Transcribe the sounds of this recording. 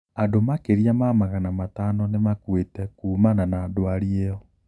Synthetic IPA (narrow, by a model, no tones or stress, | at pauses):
adomakeɾijamamaɣanamataːnɔnemakwetɛkuːmananadoaɾieɔ